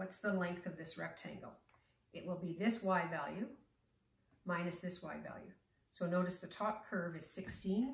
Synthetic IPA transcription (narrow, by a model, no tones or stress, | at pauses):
wʌtsðəlɛ̃ŋk̚θʌvðɪsɹɛp̚tʰæ̰̃ŋɡl̩ˠ | ʔɨʔ̚wəlˠbiðɪswaɪdvælˠjʉ | mãɪ̃nɨsðɪswaɪdvæ̰lˠjʉ̰ | soʊnoʊɾɨsðɨtʰɔp̚kʰɜ˞vɨz̥sɪkstĩn